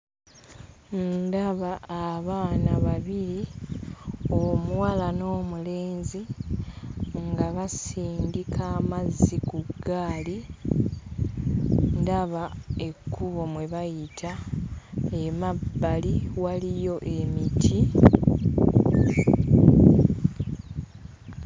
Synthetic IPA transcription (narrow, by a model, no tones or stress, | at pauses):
ndaβaːβaːnaβaβiɾi | o̞mwalano̞ːmuleːnzi | ŋɡaβasiːndikʰaːmazːikuɡːaːli | ndaβae̞kːuβo̞mwe̞βajitʰa | emabːaliwalijo̞ʔe̞mitʰi